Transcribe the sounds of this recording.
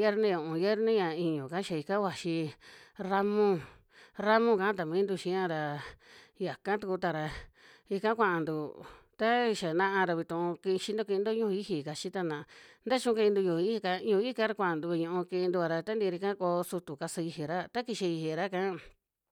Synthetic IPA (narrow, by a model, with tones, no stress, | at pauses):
je˦ɾnĩ˦jũ˨ʔũ˨je˦ɾnĩ˦ɲã˨i˧ɲũ˨ka˦ʃa˧i˧kã˦wa˨ʃi˧ɾa˦mũ˦ | ɾa˦mõ˦kã˦t̪a˨mĩ˦nd̪u˧ʃĩ˧˦ã˦ɾa˧ | ja˨kã˦t̪u˧ku˧t̪a˧ɾa˧i˧kã˦kʷã˧ʔã˨nd̪u˧˨t̪a˦˧ʃa˨nã˧ʔa˧ɾa˧βi˧t̪ũ˧ki˧ʃi˧nd̪o˦kĩ˧i˧nd̪o˦ɲũ˦˧i˦hi˧˨ka˧t͡ʃi˦t̪a˧nã˧˨a˧nd̪a˦t͡ʃũ˧ki˧i˧d̪u˧jũ˨˧i˦i˧ka˧ɲũ˧i˦kã˦ɾa˧kʷã˧˨a˨nd̪u˧βi˧ɲũ˧ũ˧kĩ˧nd̪u˧a˧ɾa˧t̪a˦nd̪i˧ɾi˧kã˦ko˧su˧t̪u˨ka˧sa˧i˧ɦi˨ɾa˦t̪a˦ki˧ʃi˧i˧hi˨ɾa˦kã˦